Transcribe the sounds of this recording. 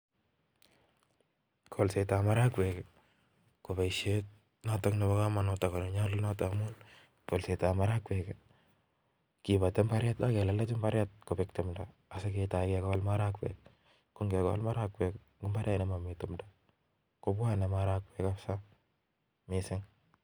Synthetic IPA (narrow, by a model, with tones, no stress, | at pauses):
kʰo˨lse˨ta˨ma˦ɾa˦kwɛ˨k | ko˨ba˨iʃe˦t̚ | na˦takne˨bɔ˦ka˦ma˨nɔ˨ta˨ko˨ne˨ɲa˦lʊ˦na˦ta˨mu˦n | ko˨lse˨ta˨ma˦ɾa˦kwɛ˨k | kɪba˨tɛ˦mba˦ɾja˦ta˦kɛ˨la˨˦la˦t͡ʃɪ˦mba˦ɾja˦t̚ko˨pɪ˨ktʊ˨mda | a˨se˦keta˨ɪkɛka˦lma˦ɾa˦kwɛ̰k | ko˦ŋɡɛ˨kawa̰lma˦ɾa˦kwɛ˨k | ɡʊ˦mba˦ɾja˦nɛ˦ma˨mɪtʊmdḁ | ko˦bwa˦nɛ˨maɾa˦kwɛ˨ka˦sa˦ | mɪsɪ˦ŋ